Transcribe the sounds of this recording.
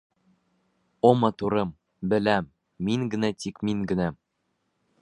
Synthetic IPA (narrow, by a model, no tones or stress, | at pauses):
omɑt̪uɾɤm | bɘ̆læmː | iŋɡɘ̆næt̪ikmiŋɡɘ̆næ